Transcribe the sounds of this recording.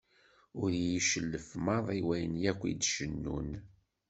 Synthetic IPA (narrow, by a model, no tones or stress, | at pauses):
ʊɾjiʃəlːəfmɑðˤiwæjənjækʷːḭd̪ʃənːṵn